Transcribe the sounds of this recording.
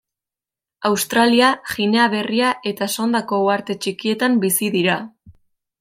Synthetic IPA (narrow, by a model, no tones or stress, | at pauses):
awst̪ɾaliaʝine̞aβe̞riaʔe̞t̪aso̞nd̪ako̞uaɾt̪e̞t͡ʃikie̞t̪ambisiðiɾa